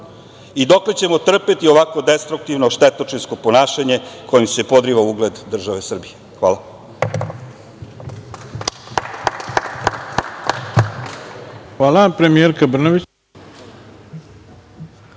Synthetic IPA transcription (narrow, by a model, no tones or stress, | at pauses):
id̪o̞kle̞t͡ɕe̞mo̞t̪r̩pet̪io̞ʋako̞d̪e̞st̪ɾuk̚t̪iʋnoʃt̪et̪ot͡ʂinsko̞po̞naːʃaɲe̞kʰo̞jimse̞po̞d̪ɾiʋauɡle̞d̪d̪r̩ʒaʋe̞sr̩bije̞xʋaːla | xʋaːlˠapɾemijeɾkabr̩noʋit͡ɕ